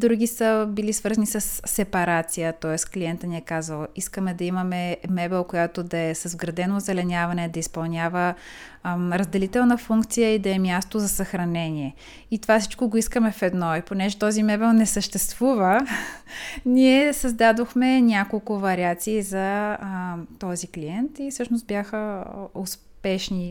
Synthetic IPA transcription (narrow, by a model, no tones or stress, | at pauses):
d̪ɾuɡʲisəbilisvəɾzənisəsːɛpɐɾat̪sijət̪ɔɛskliɛnt̪əniɛkazvəlˠiskəmɛd̪ɐimɐmɛmɛbɛlˠkojat̪od̪ɐɛsəzɡɾɐd̪ɛnozɛlɛnʲavɐnɛd̪ɐispɐlˠnʲjavə | ɾɐzd̪ɛlit̪ɛlˠnəfuŋkt̪sijəid̪ɐɛmʲjast̪ozɐsɐxɾɐnɛniɛ | it̪ovafsi̥t͡ʃkoɡoiskəmɛfɛd̪nɔɛponɛʒɛt̪ɔzimɛbɛlˠnɛsəʃt̪ɛst̪v̥uvə | nʲiɛsɐzd̪ad̪oxmɛnʲakolˠkʊvɐɾiat̪siːzɐ | t̪ɔzikliɛnt̪ifsɤʃnost̪bʲjaxəos | pɛʃni